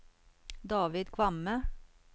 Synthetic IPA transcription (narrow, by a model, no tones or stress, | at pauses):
d̪ɑːʋɪd̪kʰʋɑmə